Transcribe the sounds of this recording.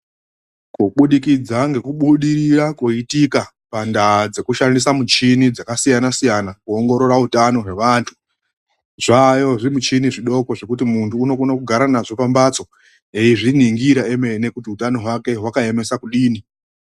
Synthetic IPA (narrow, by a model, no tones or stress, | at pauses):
kuɓuɗikid͡zaŋɡe̞kuɓuɗirirakuitika | pandad͡ze̞kuʃandisamut͡ʃinid͡zakasijanasijanakuoŋɡo̞ɾo̞ɾautano̞ɦwe̞ʋaːntʰu̥ | ʐajo̞ʐiimut͡ʃiniʐiɗo̞ko̞ʐe̞kutimuntʰuːno̞kunokuɡʱaɾanaʐo̞pambat͡so̞ | eiʐiniŋɡiɾaemene̞kutiutano̞ɦwake̞ɦwakae̞me̞sakuɗiːni